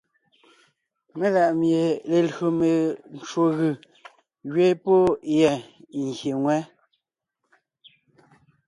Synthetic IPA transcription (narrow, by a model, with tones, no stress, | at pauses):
me˦la˨ʔmje˨le˨lo˨me˨n̩˦t͡ʃwo˦ɣɯ˨ | ɣɥe˦po˦jɛ˨ŋ˨ɣje˨ŋwɛ˦